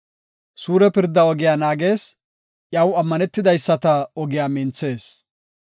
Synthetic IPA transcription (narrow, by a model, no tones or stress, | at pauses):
suːɾɛpɪɾd̪ːɐɔɡɪjaːnaːɡe̞ːs | ʔjɐwɐmːɐnɛt̪ːɪd̪ɐjsːɐt̪ɐɔɡɪjaːmɪnt͡sːe̞ːs